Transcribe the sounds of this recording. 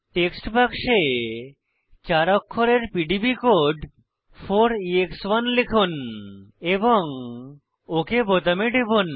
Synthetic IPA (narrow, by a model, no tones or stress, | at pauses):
ʈeksʈpakʃe | t͡ɕaɾɔkʰːoɾeɾpiɖibikoɖ | fʰoɾiekswanlekʰun | eboŋ | okebot̪ameɖebon